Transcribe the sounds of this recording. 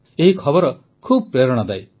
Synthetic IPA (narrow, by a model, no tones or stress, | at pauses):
eɦikʰɔbɔɾɔ | kʰuːbɔpɾeɾɔɽ̃ɔd̪aj